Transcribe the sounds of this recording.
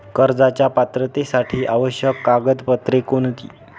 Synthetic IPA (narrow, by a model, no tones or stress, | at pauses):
kəɾd͡zat͡ɕjapat̪ɾət̪esaʈʰiːʔaʋəɕjəkːaɡəd̪pət̪ɾekont̪ḭː